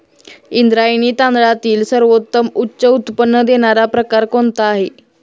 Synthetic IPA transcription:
ind̪ɾajniːt̪ãnd̪ɽɭat̪iːlsəɾʋot̪ːəmutːɕəut̪pənːəd̪eɽ̃aɾapɾəkaɾkoɳt̪aaɦe

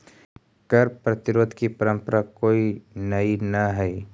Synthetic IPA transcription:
kɐɾpɾɐt̪ɪɾoːd̪ʱkipɐɾə̃mpəɾakoːinɐinɐɦɛj

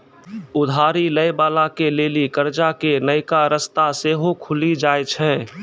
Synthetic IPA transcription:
ʊd̪ʱaːɾiləjbaːlakeleːlikəɾd͡ʒakenəɪkaɾəst̪aseːɦokʰʊlid͡ʒaːjt͡ʃʰɛ̃

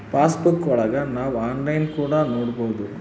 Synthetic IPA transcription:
paːsbukːɔɭɐɡɐnaːʋaːnlɐjnkuːɽɐnoːɽuboːd̪u

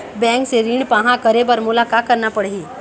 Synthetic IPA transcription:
bɛ̃ːŋkseɾiːɳpãɦãkɐɾebəɾmʊlaːkaːkɐɾnapɐɽiː

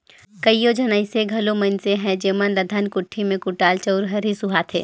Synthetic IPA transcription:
kɐijod͡ʒɐnaɪseɡʱɐlomɐnseɦɛ̃d͡ʒeːmənləd̪ʱankʊʈʰːimẽkʊʈaːlt͡ʃɐʊɾɦɐɾɦisʊɦat̪ʰḛː

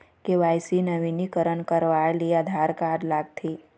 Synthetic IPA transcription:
keʋaːjsinəʋinikəɾənkəɾʋaliad̪ʱaɾkaːɾlaːɡt̪ʰiː

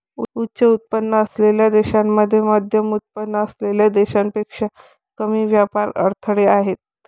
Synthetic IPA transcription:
uutːɕəut̪̚pənːəːsleljad̪eɕamːəd̪ʱːjemad̪ʱjəmut̪̚pənːəəsleljad̪eɕampekʂə | kəmiːʋjapaɾə̰ɾt̪ʰəɽeaɦet̪̚

